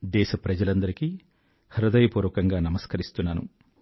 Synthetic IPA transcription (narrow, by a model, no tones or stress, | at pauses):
d̪ɛːʃɐpɾɐd͡ʒɐlɐnd̪ɐɾiki | hɐɾud̪ɐjɐpuːɾʋɐkɐŋɡaːnɐmɐskɐɾist̪unːaːnṵ